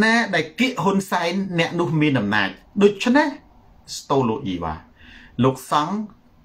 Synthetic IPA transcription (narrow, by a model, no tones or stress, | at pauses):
naːɗaɛlkiəʔɦunsaɛnːɛ̆əʔnʊ̆əhmiənʔɑmna̰ːc̚ɗoːc̚t͡ɕʰneh | st̪oːloːk̚ʔḭːʋa̰ː | loːk̚sɑŋ